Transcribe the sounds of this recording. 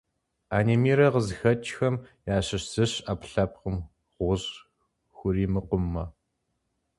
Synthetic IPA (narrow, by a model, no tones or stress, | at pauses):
aːneːmiːɾɐʁəzxɐt͡ʃʼxɐmjaːɕɪɕsɨɕapɬɐp̚qəm | ʁʷʊɕ | xʷʊɾiːmɨqʷʊmːɐ